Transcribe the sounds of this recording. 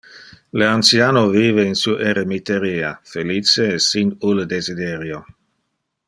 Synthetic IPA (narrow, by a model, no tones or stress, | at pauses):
leant̪sjaːnoviːveinsuʔeɾemit̪eɾiːafelit͡seːsinuled̪ezid̪eɾjo